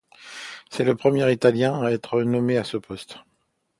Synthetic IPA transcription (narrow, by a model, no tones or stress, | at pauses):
sɛləpχəmjɛʁit̪aljɛ̃aɛt̪χənɔmeasəpɔst̪